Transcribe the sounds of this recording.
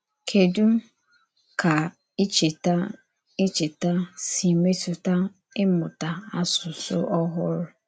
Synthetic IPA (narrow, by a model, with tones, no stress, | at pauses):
kʰe˨du˦m˦ | kʰa˨ | i˦t͡ʃe˨ta˦ | ɪ˦t͡ʃe˨ta˦si˨me˦tʊ˨ta˦ | ɪ˦mʊ˨ta˨a˦sʊ˨sʊ̰˦ʔɔ˦ɦʊ˦ɾʊ˨